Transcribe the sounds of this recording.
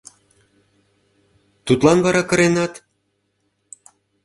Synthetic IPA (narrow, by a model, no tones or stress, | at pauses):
t̪ut̪lɑnβɑɾɑkə̆ɾenɑt̪